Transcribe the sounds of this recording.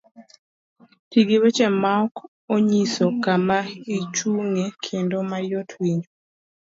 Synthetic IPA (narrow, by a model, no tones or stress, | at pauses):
tiɡiwet͡ʃɛmaɔk | oɲisokamait͡ʃuŋekʰendomajotʰwiɲo